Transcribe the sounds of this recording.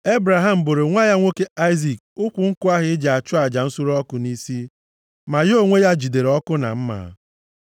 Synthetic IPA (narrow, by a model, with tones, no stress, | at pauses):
e˦bɾa˨ɦa˨m̩˨bo˨ɾe˨ŋʷa˦ja˦ŋʷo˦ke˦a˦ɪ˦zi˨k̚ | ʊ˦kʷʊ˨ŋ̩˦kʊ˦a˦ɦɪ˦ɪ˦d͡ʒa˨t͡ʃʊ˦a˨d͡ʒa˨n̩˦su˦ɾɔ˦kʊ˨ni˦si˦ | ma˨jo˦˨ŋʷe˦ja˦d͡ʒi˨de˨ɾɔ˦kʊ˦na̰˨m̩˦ma̰ː˨˦